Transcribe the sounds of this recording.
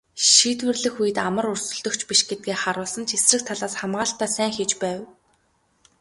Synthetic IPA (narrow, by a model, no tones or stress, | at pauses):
ʃiːt̪wɘ̆rɮɘ̆xujɘ̆t̪amə̆rur̥sɵ̆ɮt̪ɵ̆kt͡ɕpiʃɡet̪̚ɡeːχaɾʊːɮsə̆nt͡ɕʰisrɘ̆k̚t̪ʰaɮaːsχamʁaːɬt̪æːsæːŋxet͡ɕpæːw